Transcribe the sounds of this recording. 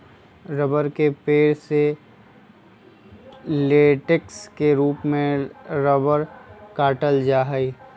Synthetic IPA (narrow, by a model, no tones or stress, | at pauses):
ɾəbəɾkepeːɾse | leːʈekskeɾuːpmẽɾəbəɾkaːʈəld͡ʒaːɦəi